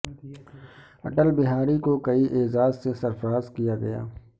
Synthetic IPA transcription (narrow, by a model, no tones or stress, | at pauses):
ɐ̰ʈəlbɪɦaːɾikokɐiʔeːzaːzsesɐɾfəɾaːzkijaɡɐ̰ja̰ː